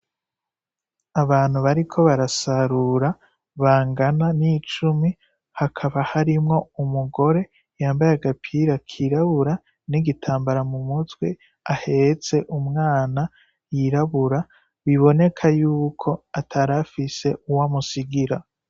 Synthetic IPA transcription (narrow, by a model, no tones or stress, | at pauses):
aβaːn̥huβaɾikʰo̞βaɾasaɾuɾa | βaːŋɡananit͡ʃumi | hakʰaβahaɾimŋo̞umuɡo̞ɾe̞ | jaːmbajaɡapʰiɾakʰiɾaβuɾa | niɡitʰaːmbaɾamumutwe̞ | ahe̞t͡se̞ʔumŋaːna | jiɾaβuɾa | βiβo̞ne̞kʰajuːkʰo̞atʰaɾafise̞uwamusiɡiɾa